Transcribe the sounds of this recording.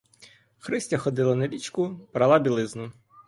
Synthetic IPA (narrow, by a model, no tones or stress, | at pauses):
xɾɪsʲtʲɐxɔd̪ɪlˠɐnɐlʲit͡ʃkʊbɾɐlˠabʲilˠɪznʊ